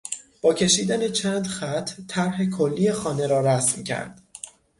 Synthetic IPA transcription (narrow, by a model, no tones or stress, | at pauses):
b̥ɒːcʰe̞ʃiːd̪ænet͡ʃʰæːnd̪xæt̪ʰːæɾɦekʰolːiːjexɒːne̞ɾɒːɾæsmcʰæ̰ɾd̪̥